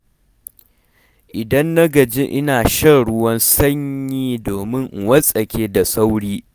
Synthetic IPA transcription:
ʔɪ˨dɐ˦nːɐ˦ɡɐ˨d͡ʒɪ˦ʔɪ˦naː˨ʃɐ˦ɽʊ˦wɐ˦nsɐ˦ɲjiː˦doː˨mɪ˦ŋʔwɐ˦sʼɐ˨kʲeː˦da˨sʼa˦wɽiː˦

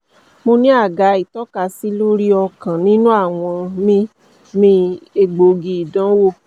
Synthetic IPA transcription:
mo˧nĩ˦a˦˨ɡa˨˦i˨tɔ˦ka˧si˦lo˦ɾi˦ɔ˧kã˨nĩ˦nũ˦a˦˨w̃ɔ̃˧mĩ˧˦ | mĩ˧e˧ɡ͡bo˨ɡi˧i˨dã˨˦wo˦˨

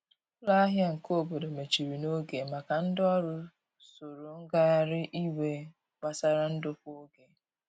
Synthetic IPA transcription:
la˦a˦ɦja˦ŋ̩˨ko˦˨bo˨do˨me˨t͡ʃi˨ɾi˨no˦ɡe˨ma˨ka˨n̩˦dɔ˦ɾʊ˦ | so˨ɾo˨ŋ̩˦ɡa˦ɾɪ˦ʔi˦we˨ | k͡pa˦sa˦ɾa˦n̩˦dʊ˦fo˦ɡe˨

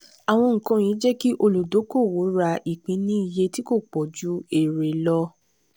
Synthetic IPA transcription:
a˨w̃ɔ̃˧ŋ̩˨kã˨˧j̃ĩ˨˦d͡ʒɛ˦ki˦ʔo˧lu˨do˨˦ko˦˨wo˨˦ɾa˧ʔi˨k͡pĩ˨˦nĩ˦i˦˨je˧ti˦ko˦˨k͡pɔ˨d͡ʒu˨˦e˨ɾe˨lɔ˧

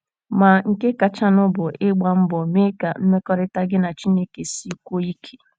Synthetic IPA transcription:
ma˨ŋ̩˨ke˦ka˨t͡ʃa˦nʊ˦bʊ˨ʔɪ˦ɡ͡ba˨m̩˦bɔ˨me˦ka˨m̩˦me˦kɔ˦ɾɪ˦ta˦ɡɪ˦na˨t͡ʃi˦ne˦ke˨si˦kʷo˦i˦kʰe̥˨

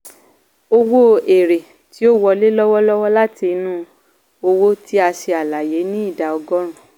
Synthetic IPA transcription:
o˧wo˦e˨ɾe˨ | ti˨˦o˦wɔ˧le˦lɔ˦wɔ˦lɔ˦wɔ˦la˦ti˧nũ˦ | o˧wo˦ti˦a˧se˧a˨la˨je˨˦nĩ˦i˦˨da˨ɔ˧ɡɔ˦ɾ̃ũ˨

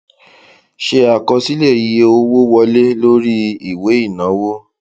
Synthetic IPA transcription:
ʃe˧a˨kɔ˧si˦le˦˨je˧o˧wo˦wɔ˧le˦lo˦ɾi˦i˦˨we˨˦i˦˨nã˨˦wo˦

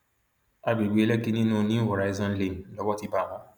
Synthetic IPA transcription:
a˧ɡ͡bi˨ɡ͡be˨˦e˦lɛ˦ki˦nĩ˦nũ˦nĩ˦hɔ˨ɾa˨i˦zɔ̃˧n̩˦le˨n̩˨lɔ˨˦wɔ˦ti˧ba˦˨w̃ɔ̃˨˦

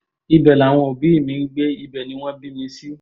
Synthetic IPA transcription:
i˧bɛ˨la˨w̃ɔ̃˧o˨bi˨˦i˦˨mĩ˨˧n̩˦ɡ͡be˦i˧bɛ˨nĩ˨˦w̃ɔ̃˦bi˦mĩ˧˦si˦

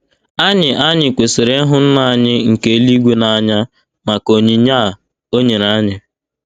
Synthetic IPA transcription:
a˦ɲɪ˨ʔa˦ɲɪ˨kʷe˨sɪ˨ɾe˦ɦʊ˦n̩˦na˨a˦˨ɲɪ˦ŋ̩˨ke˦li˦ɡʷe˦na˨a˨ɲa˦ | ma˨ko˨ɲe˨˦ɲa˦˨ | o˦ɲe˨ɾa˦ɲɪ˨

